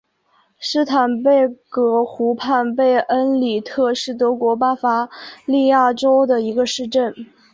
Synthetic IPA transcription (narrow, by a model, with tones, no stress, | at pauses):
ʂɻ̩˥t̪ʰa˨˩npe˥˩ɪkɤ˧˥xu˧˥pʰa˥˧npe˥˩ɪʔə˥nli˨˩t̪ʰɤ˥˧ʂɻ̩˥˩t̪ɤ˧˥kwɔ˧˥pa˥fa˧˥li˥˧ja˥˩ʈ͡ʂo˥ʊd̪ə˨i˧˥ɡə˧ʂɻ̩˥˧ʈ͡ʂə˥˩n